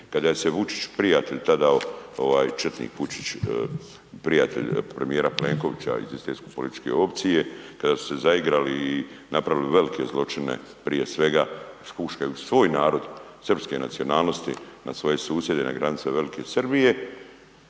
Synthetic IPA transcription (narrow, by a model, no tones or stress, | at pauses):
kad̪aje̞se̞ʋut͡ʃi̥t͡ɕpɾijat̪eʎt̪ad̪aoo̞ʋaːjt͡ʃr̩t̪nḭːkʋut͡ʃi̥t͡ʃ | pɾijat̪e̞̰ʎʲpɾemijeɾaple̞ːŋko̞ʋit͡ɕa̰ḭzist̪eːskopolit̪it͡ʃke̞̰o̞pt̪sije̞kad̪asu̥se̞zaiɡɾaliːnapɾaʋiliʋe̞likʰe̞zlˠo̞t͡ʃine̞̰ | pɾije̞sʋe̞ɡaspuʃkajusʋo̞ːjnaːɾo̞d̪srpske̞na̰t̪sio̞naːlˠno̞st̪ḭna̰sʋo̞je̞suːsje̞d̪ena̰ɡɾanit̪seʋe̞likʰe̞srbije̞